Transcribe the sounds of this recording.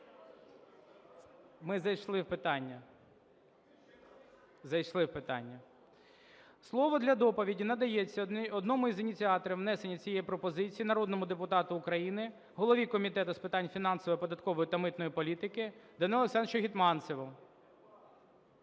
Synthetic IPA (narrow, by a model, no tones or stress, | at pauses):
mɪzɐjʃlˠɪwpɪt̪ɑnʲːɐ | zɐjʃlˠɪwpɪt̪ɑ̰nʲːɐ | slˠɔʋɔd̪lʲɐd̪ɔpɔʋʲidʲinɐd̪ɐjet͡sʲːɐɔd̪nɔmʊizɪnʲit͡sʲiɑt̪ɔɾʲiwnɛsenʲːɐt͡sʲijɛjipɾɔpɔzɪt͡sʲijinɐɾɔd̪nɔmʊd̪epʊt̪ɑt̪ʊːkɾɐjinɪ | ɦɔlˠɔʋʲikɔmʲit̪ɛt̪ʊspɪt̪ɑnʲfʲinɑnsɔʋɔjipɔd̪ɐt̪kɔʋɔjit̪ɐmɪt̪nɔjipɔlʲit̪ɪkɪd̪ɐnilˠɔsɛnt͡ʃɔɦʲit̪mɑnsɪʋɔ